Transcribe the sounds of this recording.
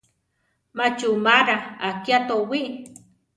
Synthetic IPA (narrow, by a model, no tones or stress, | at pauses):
mat͡ʃumaɾaakjat̪owiʔ